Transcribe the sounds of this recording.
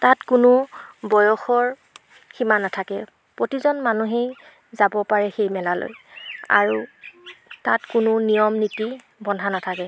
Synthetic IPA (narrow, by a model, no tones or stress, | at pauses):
tatkʊnʊbɔjɔxɔɹ | ximanatʰakɛ | pɹotizɔnmanuɦej | zabɔpaɹɛxejmɛlalo̰ja̰ɹu | tatkʊnʊnijɔmniti | bɔndʱanatʰakɛ